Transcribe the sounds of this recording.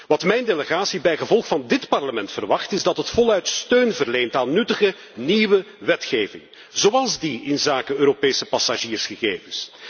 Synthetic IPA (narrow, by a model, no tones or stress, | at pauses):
ʋɑtmɛjndeləɣaːsibɛjɣəvɔlˠxfɑndɪtpɑrləmɛntfərʋɑxtɪzdɑtɦətfɔlˠœɥtstøːnvərlejntaːnːɵtəɣə | niʋə | ʋɛtxeːvɪ̰ŋ | z̥oɑlˠzdiɪnzaːkəøːɾopeːsəpɑsaʒiːrsxəɣeːvəs